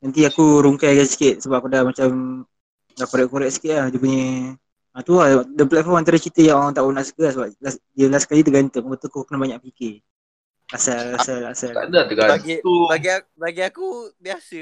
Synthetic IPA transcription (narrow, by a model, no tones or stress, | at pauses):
nant̪̬iakuɾuŋkajaɡassi̥kɪt̪̚səbap̚kudamat͡ʃam | dahkoɾɛʔkoɾɛʔk̚sə̥kɪt̪̚lahd͡ʒupuɲə | at̪uadəplat̪̚fɔmant̪aɾət͡ʃit̪əjaŋoɾaŋt̪aʔunaʔsə̥kəasəbaʔladiəlasə̥kalit̪̬əɡant̪əmapat̪uakukənabaɲãʔpike | asalasalasala̰dat̪əɡabaɡibaɡi | baɡiakubiasə